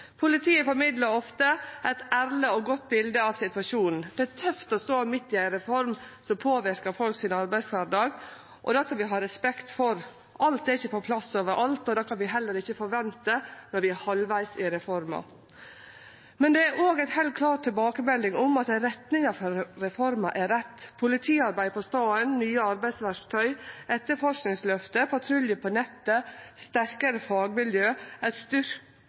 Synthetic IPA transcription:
pʰʊlɪt̪ʰiːəfɔɾmɪd̪ləɾɔft̪əʔɛɪt̪æɾləɔɡɔt̪̚ːbɪld̪əɑʋsɪt̪ʉʋɑʂuːnn̩d̪̥ɛæt̪ʰœft̪ɔst̪oːmɪt̪ːɪæɪnɾɛfɔɾmsɔmpʰoːʋɪɾkəɾfɔlksɪnɑɾbæɪsʋæɾɖɑːɡ | ʔɔ̰d̪ɑsɑʋɪɦɑɾɛspɛkt̪fɔɾ | ʔɑlt̪ɛɾɪçəpʰɔpʰlɑsːoːʋəɾʔɑlt̪ɔd̪ɑːkʰɑnʋɪɦɛlːəɾɪçːəfɔɾʋɛnt̪ənɔɾʋɪæɾhɑlʋæɪsɪɾɛfɔɾmɑ̰ | mɛnd̪ɛæɾʔoːɡæɪt̪hɛlt̪̚kʰlɑːt̪ʰːɪlbɑːkəmɛlɪŋʊmɑt̪ɾɛt̪nɪŋɑfɔɾɾɛfɔɾmɑʔæɾɛt̪ːpʰʊlɪt̪ʰiːɑɾbæɪpʰɔst̪ɑːənnyːəɑɾbæɪsʋæɾkt̪ʰœʏʔɛt̪ːəɾfɔʂknɪŋslœft̪əpʰɑt̪ʰɾʉljəpʰɔnɛt̪ːəst̪æɾkəɾəfɑːɡmɪljøːɛɪt̪st̪ʏɾ

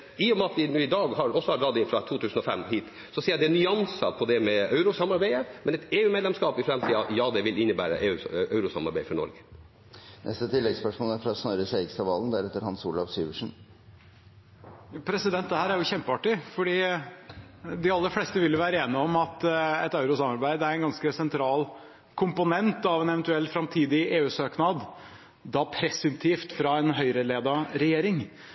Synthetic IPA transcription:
iːɔmɑt̪ʋɪnuːɪd̪ɑːɡhɑɔsːɔhɑɖɾɑːd̪ɪnfɾɑt̪ʰuːt̪ʰʉːsn̩ɔfɛmhiːt̪ | sɔsiːjæd̪ɛɛnʏɑnsə̰pʰɔd̪ɛmɛœʉɾʊsɑmɑɾbæɪəmɛnɛt̪eːʉːmeːd̪lɛmskɑːpɪfɾɛmt̪ʰiːd̪ɑɑtjɑːd̪ɛʋɪlɪnːəbæ̰ːɾə̰ʔeːʉʔœʉɾʊsɑ̰mɑ̰ɾbæɪfɔɾnɔ̰ɾɡə | nʔɛ̰st̪ət̪ʰɪlːɛɡspœʂmoːləæɾfɾɑɔsnɔɾəsæɪɡst̪ɑʋɑːlənd̪æɾɛt̪ːəɾhɑnsuːlɑʋsyːʋəʂn̩ | pʰɾɛsɪd̪ɛnt̪̚d̪ɛhæːɾæɾjʊçɛmpəɑʈːɪfɔɖiː | d̪ɪɑlːəfleːst̪əʋɪljʊʋæːɾəeːnɪɔmɑt̪ɛt̪ɑʉɾʊsɑmɑɾbæɪd̪æɾɛnɡɑnskəsɛnt̪ʰɾɑːl | kʰʊmpʊnɛnt̪ɑʋɛnɛʋɛnt̪ʉɛlːfɾɑmt̪ʰiːd̪ɪeːʉːsøːknɑd̪ | d̪ɑpʰɾɛsʉmt̪ʰiːft̪fɾɑɛnɦœʏɾəleːd̪ɑɾɛjeːɾɪŋ

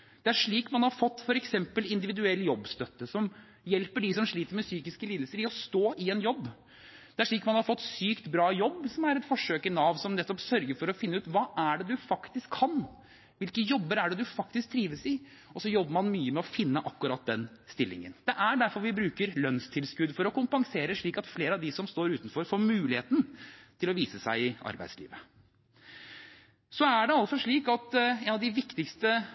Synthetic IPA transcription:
d̪̥ɛæʂɭiːkmɑnhɑɾfɔt̪ːfɔɾɛksɛmpəlɪnd̪ɪʋɪd̪ʉɛlːəjɔbːst̪œt̪ːəsɔm | jɛlpəɖɪsɔmʂɭiːt̪əɾmɛsyːkɪskəliːd̪l̩səɾɪɔst̪oːʔɪɛnjɔbː | d̪̥ɛæʂɭiːkmɑnhɑɾfɔt̪ːsyːkt̪bɾɑːjɔbːsɔmæɾɛt̪fɔʂøːkɪnɑʋsɔmnɛt̪ːɔpsœɾɡəɾfɔɾɔfɪnːəʉːt̪ʋɑːʔæɖɛd̪ʉfɑkt̪ɪskʰːɑn | ʋɪlkəjɔbːəɾæɖɛd̪ʉfɑk̚t̪ɪsk̚t̪ʰːɾiːʋəsɪ | ʔɔsɔjɔbːəɾmɑnmyːəmɛɔfɪnːəʔɑkːʉɾɑt̪̚d̪ɛn | st̪ɪlːɪ̰ŋə̰nd̪̥ɛʔæɖæɾfɔɾʋɪbɾʉːkəɾlœnst̪ʰɪlskʉd̪fɔɾɔkʊmpɑŋseːɾəʂɭiːkɑt̪fleːɾəɑʋd̪ɪsɔmst̪oːɾʉːt̪n̩fɔɾfɔmʉːlɪheːt̪n̩t̪ʰɪlɔʋiːsəsæɪɪʔɑ̰ɾbæ̰ɪd̪slḭːʋə | sɔæɖɛɑlt̪sɔʂɭiːkɑt̪eːnɑʋd̪ɪʋɪkt̪ɪkst̪ə

